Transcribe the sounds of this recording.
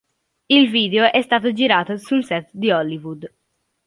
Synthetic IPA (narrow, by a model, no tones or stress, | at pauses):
ilviːd̪eoʔɛst̪aːt̪od͡ʒiɾaːt̪osunsɛt̪d̪iɔlːivud̪